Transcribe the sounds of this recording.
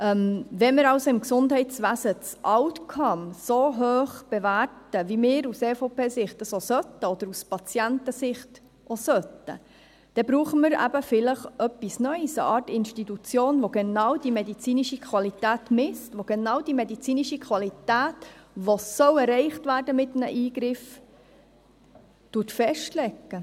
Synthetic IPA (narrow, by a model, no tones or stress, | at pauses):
ʔɛmʋɛməɾɑʊsoɪmksʊndɦɛɪtt͡sʋæːsət͡sʔɑwt̪kʰɑmsoɦøːχb̥eværtəvimɪːɾuseːfopeːsɪχtəsosœtːəɔd̥̪əɾuspɑt͡sjæntəsɪχt | ʔosœtə̰ | d̥ɛbɾuːχəməɾæ̰bəfɪləχœpːisnœʏsə̰ʔɑːtɪnʃtitut͡sjoːnʋoɡ̥enɑwd̥imedit͡siːniʃikʰχʋɑlitæːtmɪstʋoɡ̥enɑwd̥imedit͡siːniʃikʰʋɑlit̪æːtʋosœwɛrːɛɪχtʋæːɾdəmɪtnəʔiːɡɾɪf | tutfɛʃtlɛɡːə